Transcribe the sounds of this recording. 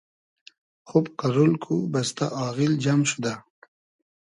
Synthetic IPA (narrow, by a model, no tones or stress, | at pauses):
xubkaɾolkʰubast̪a̰ʔɑːɣild͡ʒamʃud̪a